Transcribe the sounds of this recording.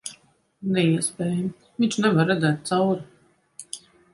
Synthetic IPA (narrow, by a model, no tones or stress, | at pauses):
nɛiɛspʲɛːjam | vint͡ʃnɛvaɾːɛd̪zɛːt̪̚t̪sawɾi